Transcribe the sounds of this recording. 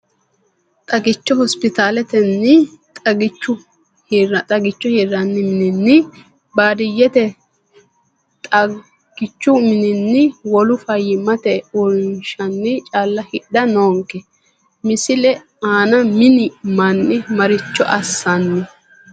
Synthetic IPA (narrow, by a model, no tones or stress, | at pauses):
t̪ʼɐɡɪt͡ʃːɔhɔspɪt̪aːlɛt̪ɛnːɪt̪ʼɐɡɪt͡ʃːʊ | hɐt̪ʼɐɡɪt͡ʃːɔheːɾːɐnːɪmɪnɪnːɪ | baːd̪ɪjːɛt̪ɛ | t̪ʼɐ | ɡ̥ɪt͡ʃːʊmɪnɪnːɪwɔlʊfɐjːɪmɐt̪ɛʊɾnʃɐnːɪt͡ʃʼaːlːɐhɪɗɐnoːŋkːɛ | mɪsɪlɛ | aːnɐmɪnɪmɐnːɪmɐɾɪt͡ʃːɔʔɐsːɐnːɪ